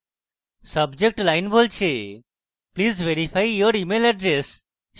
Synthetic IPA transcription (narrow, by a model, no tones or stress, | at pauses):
sɐbd͡ʒek̚ʈlaɪnbʱolt͡ʃʰe | pliːzʋeɾifajjoɾimelɛɖɾes